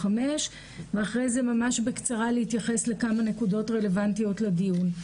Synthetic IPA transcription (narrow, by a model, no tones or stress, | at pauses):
ame̞ʃ | veaχʁe̞jze̞mamaʃbekt͡saʁalehitjaχe̞sle̞kamane̞kudo̞tʁe̞le̞vantijo̞tledijun